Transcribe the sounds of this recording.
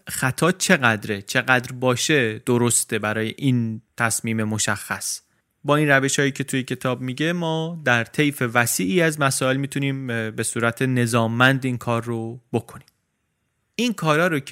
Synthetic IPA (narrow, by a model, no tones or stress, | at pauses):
xæt̪ʰɒːt͡ʃʰe̞ɣæd̪ɾet͡ʃʰe̞ɣæd̪ɾbɒːʃe̞d̪̥oɾost̪e̞bæɾɒːje̞̰ʔiːnt̪ʰæsmiːme̞mo̞ʃæxːæs | bɒːiːnræve̞ʃhɒːjiːcʰe̞t̪ʰujecʰe̞t̪ʰɒːbmiːɟe̞mɒːd̪æɾt̪ʰe̞jfe̞væsiːʔiːæzmæsɒːe̞lmiːt̪ʰuniːmbe̞suːɾæt̪ʰe̞ne̞zɒːmːænd̪inkʰɒːɾːob̥o̞kʰo̞niːm | ʔinkʰɒːɾɒːɾo